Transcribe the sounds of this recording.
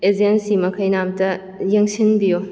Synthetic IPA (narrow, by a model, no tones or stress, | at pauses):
ed͡ʒensimɐkʰɐjnamtɐ | jeŋsinbijo